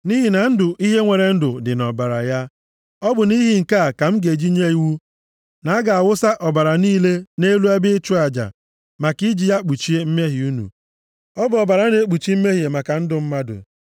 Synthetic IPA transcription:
ni˦ɦi˨na˨n̩˦dʊ˨ʔi˦ɦe˦ŋʷe˨ɾe˨n̩˦dʊ˨dɪ˨nɔ˨ba˨ɾa̰˨ja˦ | ɔ˦bʊ˨ni˦ɦi˦ŋ̩˨ka˦˨ka˨m̩˦ɡe˨d͡ʒi˦ɲe˦i˦wu˦ | na˨a˦ɡa˨a˨wʊ˦sa˦ʔɔ˨ba˨ɾa˨niː˦le˦ne˦lu˦a˦bɪ˦t͡ʃʊ˦a˨d͡ʒa̰˨ | ma˨ki˦d͡ʒi˨ja˦k͡pu˨t͡ʃi˦e˦m̩˦me˦ɦi˨u˦nṵ˨ | ɔ˦bʊ˦˨ɔ˨ba˨ɾa˨˦ne˦k͡pu˨t͡ʃi˦m̩˦me˦ɦi˨e˨ma˨ka˨n̩˦dʊ˨m̩˦ma˦dʊ̰˨

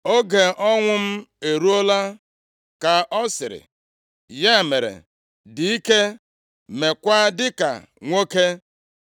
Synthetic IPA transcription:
o˦ɡe˨ʔɔ˦ŋʷʊ˦m̩˦e˨ɾu˦o˦la˦ | ka˨ʔɔ˦sɪ˨ɾɪ̰˨ | ja˦˨me˨ɾḛ˨ | di˨i˦ke˦ | me˨kʷa˦dɪ˦ka̰˨ | ŋʷo˦ke˦

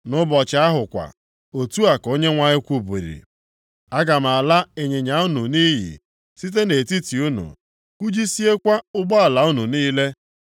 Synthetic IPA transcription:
nʊ˦bɔ˨t͡ʃɪ˨˦a˦ɦʊ˨kʷa̰˨ | o˨tu˦a˨ko˦ɲe˦ŋʷa˦ɲɪ˦kʷu˨bu˨ɾḭ˨ | a˦ɡa˨m̩˨a˨la˦e˨ɲe˨ɲa˨u˦nu˨ni˦ɦḭ˨ | si˦t̬e˦ne˨ti˦ti˨u˦nṵ˨ | ku˦d͡ʒi˦si˦e˦kʷa˦ʊ˦ɡ͡bɔ˦a˨la˨u˦nu˨niː˦le˦

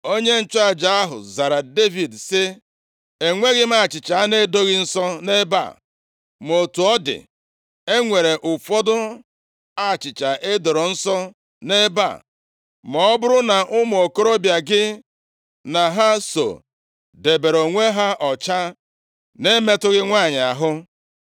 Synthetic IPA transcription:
o˦ɲe˦n̩˦t͡ʃa˨d͡ʒa˨˦a˦ɦʊ̰˨za˨ɾa˨de˦vi˨dsɪ˦ | e˨ŋʷe˦ɣɪ˦m̩˦a˦˨t͡ʃɪ˨t͡ʃa˨a˦ne˦do˦ɣɪ˦n̩˦sɔ˦ne˦ba̰˦˨ | m˨o˨tu˨ɔ˦dɪ̰˨ | e˦ŋʷe˨ɾe˨ʔʊ˨fɔ˦dʊ˦ | a˦˨t͡ʃɪ˨t͡ʃa˨ʔe˦do˨ɾo˨n̩˦sɔ˦ | ne˦ba̰˦˨ | mɔ˨ɔ˦bʊ˦ɾʊ˦na˨ʔʊ˦m˨o˨ko˦ɾo˦bja˨ɡɪ˦ | na˨ɦa˦so̰˨ | de˨be˨ɾo˨ŋʷe˦ɦa˦ʔɔ˨t͡ʃa˦ | ne˦me˦tʊ˦ɣɪ˦ŋʷa˦˨ɲ˨a˨ɦʊ˦

